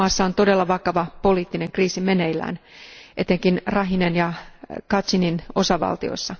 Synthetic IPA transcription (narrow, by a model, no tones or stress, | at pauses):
ɑːsːɑo̞nt̪o̞de̞lːɑʋɑkɑʋɑpo̞liːt̪ːine̞ŋkriːsimenejlːæ̰ːnʔet̪e̞ŋkinrɑɦinenjɑkɑt͡ʃinino̞sɑʋɑ̰lt̪io̰sːɑ